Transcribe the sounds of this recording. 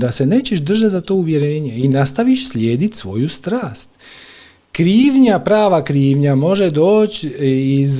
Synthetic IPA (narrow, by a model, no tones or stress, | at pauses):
d̪ase̞neːt͡ɕeʃd̪r̩ʒat̪zat̪o̞ːuʋje̞ɾe̞ːɲeinast̪aʋiʃslʲje̞ːd̪it̪ʲsʋo̞̰just̪ɾaːst̪ | kɾiːʋɲapɾaːʋakɾiːʋɲamo̞ʒed̪oːt͡ɕiz